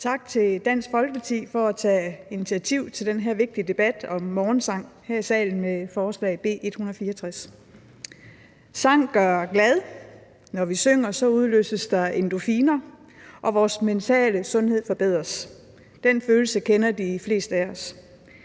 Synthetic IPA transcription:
t͡sʰɑ̈ɡ̥̚t͡sʰe̝ld̥æn̰sɡ̥fɒ̽lɡ̥əpʰɑ̈t͡sʰḭːfɒ̽æt͡sʰɛ̰ːinit͡sʰiæt͡sʰiʊ̰t͡sʰe̝ld̥enɦe̝ɐ̰ʋe̝ɡ̥̚d̥id̥e̝b̥æd̥ɒ̽mːɒːnsɑ̈ŋ̰hæɐ̰isɛ̰ːln̩mefɒːslɛ̰ɪb̥e̝̰ːʔe̝d̥hunɐð̩ˠfiːɐt͡sʰʁas | sɑ̈ŋ̰ɡ̥ɶɐɡ̥lɛð̞ˠ | nɒʋisøŋ̰ɐsɒ̽uð̞ˠlø̰ːsəsd̥ɑ̈e̝nd̥o̝fiːnɐ | ʔɒ̽ʋɒːsment͡sʰɛ̰ːləsɔ̽nhe̝ð̰ˠfɒ̽b̥e̝ð̞̰ˠʁɐs | d̥enføːlsəkʰenɐd̥ifle̝̰ːsd̥æɒs

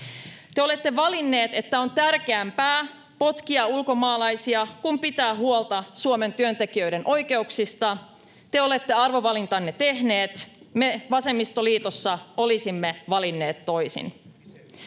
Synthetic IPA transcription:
t̪eo̞le̞t̪ːe̞ʋɑlinːe̞ːt̪e̞t̪ːæo̞nt̪ærk̟eæmpæː | po̞t̪kiɑulko̞mɑːlɑjsiɑkumpit̪æːɦuolt̪ɑsuome̞nt̪yønt̪e̞kiø̞jdɾe̞nʔo̞jke̞uksist̪ɑ | t̪e̞o̞le̞t̪ːe̞ɑrʋo̞ʋɑlint̪ɑnːe̞t̪e̞ɦne̞ːt̪ | me̞ʋɑse̞mːist̪o̞liːt̪osːɑo̞lisimːe̞ʋɑlinːe̞ːt̪ːo̞jsḭn

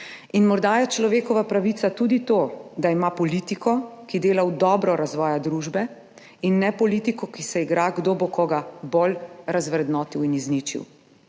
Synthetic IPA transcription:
inmɔɾd̪ajɛt͡ʃlɔʋeːkɔʋapɾaʋit̪sat̪uːd̪it̪oːd̪aimapɔlit̪ikʰɔkid̪eːlawd̪ɔːbɾɔɾazʋɔːjad̪ɾuʒbɛ | inːɛpɔliːt̪ikɔkisɛiɡɾaɡd̪oːbokɔɡabolɾazʋɾɛd̪nɔːt̪iwiniznit͡ʃḭw

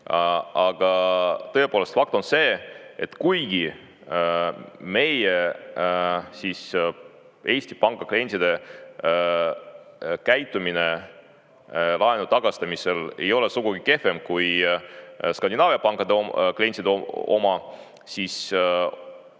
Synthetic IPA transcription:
ɑɡ̥ɑt̪ɤ̞epoːlest̪fɑk̚t̪o̞nse̞ːet̪ːkujɡ̥i | me̞je | siːs | e̞ːsʲt̪i̥pɑŋkɑklienʲsid̪e̞ | kæjt̪ːˑumine | lɑenut̪ɑɡ̥ɑst̪ɑmise̞le̞jo̞lesuɡ̥uɡike̞fe̞mkuj | skɑnʲd̪ʲinɑːviɑpɑŋkːˑɑd̪eklienʲsid̪eo̞̰mɑ | sis

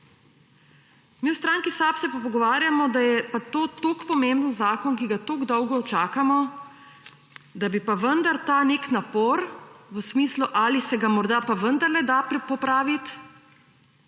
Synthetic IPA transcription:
miwst̪ɾaːŋkisapsɛpɔpɔɡɔʋaːɾjamɔd̪ajɛpat̪oːt̪okpɔmẽmbənzaːkɔnkiɡat̪oɡd̪ɔwɡɔt͡ʃaːkamɔ | d̪abipaʋənd̪aɾt̪aneknapoɾʋəsmiːsluʔaːlisɛɡamɔɾd̪apaʋənd̪əɾlɛd̪apɔpɾaːʋit̪

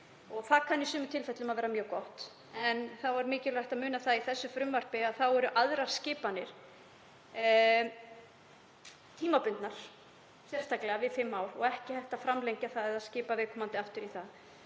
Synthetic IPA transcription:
ɔɣθakʰanːisʏːmʏt̪ʰɪlfɛt̪lʏmaðvɛːɾamjœːkɔht̪ | ɛnθawvaɾmɪːcɪlajht̪aðmʏːnaθaðiθɛsːʏfɾʏmvar̥pɪaðθawɛɾʏʔaðɾaɾ̥scɪːpanːɪɾ̥ | t̪ʰiːmapʏnt̪naɾ̥ | sjɛr̥t̪aklɛɣavɪðfɪmːaːwɾɔɣɛhcɪhɛjht̪afɾamlejɲcaθaðɛðaðscɪːpavɛːkʰɔmant̪ɪaft̪ʏɾiθað

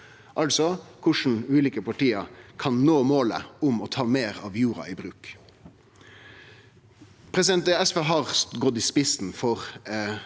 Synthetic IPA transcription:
ʔɑlsɔkʰʊʂɳ̩ʉːliːkəpʰɑʈiːəkʰɑnnoːmoːlə̰ʊmɔːt̪ʰɑːmeːɾɑ̰ːʋjuːɾɑ̰iːbɾʉːk | pʰɾɛsɪd̪ɛnt̪̚ɛɛsfeːɦɑːʁsɡɔd̪iːspɪsn̩fɔʁ

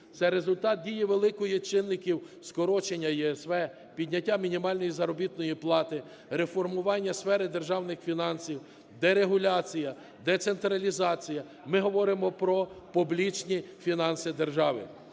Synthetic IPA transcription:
t̪sɛɾe̞zʊlʲt̪ɑt̪̚dʲijɛʋelˠɪkɔjit͡ʃɪnːɪkʲiw | skɔɾɔt͡ʃenʲːɐjɛɛsʋɛ | pʲid̪ʲnʲɐtʲːamʲinʲimɑlʲnɔjizɐɾɔbʲit̪nɔjiplˠɑt̪ɪ | ɾe̞fɔrmʊʋɑnʲːɐsfɛɾɪd̪e̞rʒɑwnɪxfʲinɑnsʲiw | d̪ɛɾeɦʊlʲɑt͡sʲijɐ | d̪ɛt̪sent̪ɾɐlʲizɑt͡sʲijɐ | mɪɦɔʋɔɾɪmɔpɾɔpublʲit͡ʃnʲifʲinɑnsɪd̪erʒɑʋɪ̰

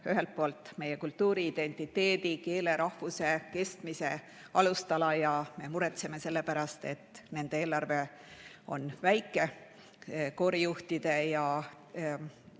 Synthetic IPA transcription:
yɦe̞lt̪̚po̞ːlt̪ːˑme̞jekult̪ːuːɾiːd̪̥e̞nt̪ːˑit̪ːe̞ːd̪̥ike̞ːle̞ɾɑhvuse̞ke̞st̪mise̞ | ɑlust̪ɑlɑjɑme̞muɾet̪seme̞se̞lːe̞pæɾɑst̪e̞̰t̪ːˑne̞nd̪eeːlɑrve̞ | o̞̰nvæjkˑːe̞ | ko̞ːɾijuht̪id̪̥e̞jɑ

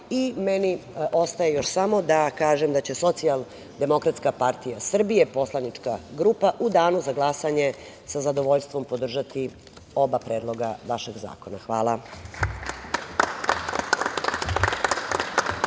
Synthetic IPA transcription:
imenio̞st̪ajejo̞ʃsamo̞d̪akaːʒemd̪at͡ɕe̞so̞t̪sial | d̪e̞mo̞kɾat̪skapaɾt̪ijasr̩bije̞po̞slˠanit͡ʂkaɡɾuːpaʔud̪aːnuzaɡlˠasaɲe̞ | sazad̪oʋo̞ʎst̪vʋo̞mpo̞d̪r̩ʒat̪i | o̞bapɾeːd̪lˠo̞ɡaʋaʃe̞ɡza̰ːkonaxʋaːlˠa

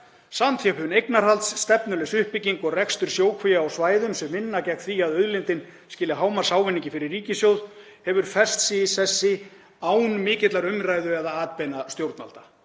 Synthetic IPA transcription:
samt̪ʰjɛpʏnejknaɾ̥halt̪sːt̪ɛpnʏlɛsʏhpɪciŋkɔɣrɛkst̪ʏɾ̥sjoːwkʰvijaawsvaːjðʏmsɛmːɪnːacɛxt̪θviaðœðlɪnt̪ɪn | scɪːlaɦaːwmaɾ̥saːwvɪnːiɲcɪfɪɾɪɾrːiːcɪsjowðhɛvʏɾ̥fɛr̥st̪siːsɛsːɪ | aːwnmɪːcɪt̪laɾʏmrajðʏɛðaaːt̪̚pɛnast̪jowɾt̪na̰lt̪ḁ

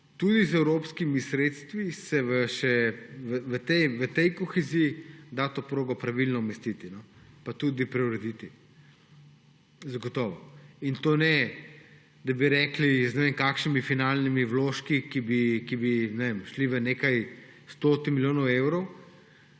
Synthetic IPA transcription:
t̪ud̪izɛwɾoːpskimisɾeːt̪st̪ʋisɛʋəʃɛʋəʋət̪ɛjʋət̪ɛjkoxɛzijid̪at̪opɾoːɡɔpɾaʋilnɔumɛst̪it̪inɔpat̪ud̪ipɾɛwɾɛd̪it̪i | zaɡɔt̪ɔːʋɔint̪oːnɛ | d̪ɐbiɾɛːkliznɛʋeŋkakʃnimifinalnimiwloʃkikibikibinɛʋemʃliʋənekaj | st̪ot̪imiljoːnɔwewɾɔw

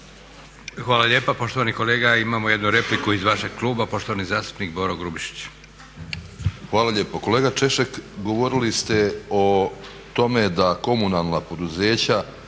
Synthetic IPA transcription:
xʋaːlaʎeːpapo̞ʃt̪oʋaniko̞leːɡaimaːmojed̪nuɾe̞plikuizʋaʃe̞ɡ̥̚kluːbapo̞ʃt̪oʋanizaːst̪u̥pnikboɾoɡɾubiʃi̥t͡ɕ | xʋaːlaʎʲe̞ːpoko̞leːɡat͡ʃe̞ʃekɡo̞ʋo̞ɾilist̪e̞o | t̪o̞me̞d̪ako̞munalˠnapo̞d̪uze̞ːt͡ɕa

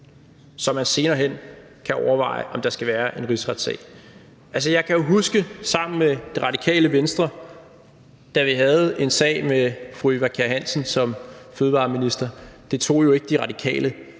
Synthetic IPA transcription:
sɒ̽mænse̝ːnɐːɦen̰ | kʰæʔɒʊɐʋɑ̈ɪəʔɒ̽md̥ɑ̈sɡ̥æʋæːɐʔe̝nʁisʁɑd̥sɛ̰ɪ | ʔælsəjɑ̈ɪkʰæjo̝ɦusɡ̥əsɑ̈m̰n̩med̥e̝ʁɑ̈d̥ikʰɛ̰ːləʋensd̥ʁɐ | d̥æʋiɦæð̞̩ˠe̝nsɛ̰ːɪmefʁuiʋækʰæɐɦæn̰sən̩sɒ̽mføːð̞̩ˠʋɑ̰̈ːminisd̥ɐd̥e̝t͡sʰo̝̰ːjo̝e̝ɡ̥əd̥iʁɑ̈d̥ikʰɛ̰ːlə

